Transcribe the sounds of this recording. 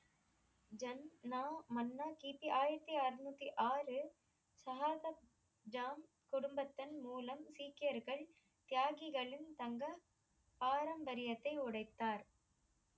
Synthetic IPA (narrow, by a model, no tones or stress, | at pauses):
d͡ʒɐnːaːmɐnːaːkiːpiʔaːjɪɾɐt̪ːiɐɾnuːt̪ːiʔaːɾɯ | sɐɦaːsɐ | d͡ʒaːm | kʊɽʊmbɐt̪ːɐnmuːlɐmsiːkːɪjɐɾɣɐɭ | t̪ɪjaːɣɪɣɐɭɪnt̪ɐŋɡɐ | paːɾɐmbɐɾɪjɐt̪ːɐɪʊɽɐɪt̪ːaːɾ